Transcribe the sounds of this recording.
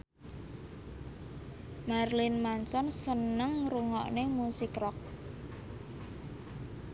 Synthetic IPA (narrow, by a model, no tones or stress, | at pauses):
marlinmansɔnsənəŋruŋɔ̰ʔnemusikrɔk̚